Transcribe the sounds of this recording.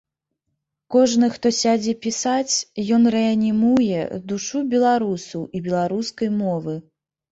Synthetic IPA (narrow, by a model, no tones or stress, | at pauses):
kɔʐnɨxt̪ɔsʲad͡zʲɛpʲisat͡sʲjɔnrɛɐnʲimujɛ̰d̪uʂubʲɛlˠaɾusɐwʔibʲɛlˠaɾuskɐjmɔvɨ